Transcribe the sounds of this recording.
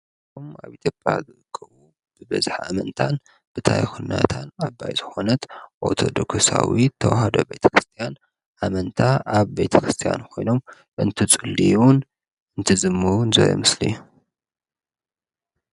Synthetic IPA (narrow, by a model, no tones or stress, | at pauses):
tʰumaβit̪ʰjopʼja̰zɨʔɨkʰːɐβu | b̥ɨbɐzħa̰mɐnt̪ʰan | b̥ɨt̪ʰa̰jxunːa̰t̪ʰanabːa̰jzɨxo̞nɐt̪ʔoɾt̪ʰo̞d̪oksawit̪ʰɐwahɐd̪obe̞jt̪ʰɐ̥kɾɨst̪ʰijan | ʔamɐnt̪ʰaʔaβbe̞t̪ʰɐkɾɨst̪ʰija̰nkʰo̞jno̞m | ʔɨnt̪ʰɨt͡sʼɨlːiun | ɨnt̪ʰɨzɨmːɨnzɐɾo̰mɨslḭju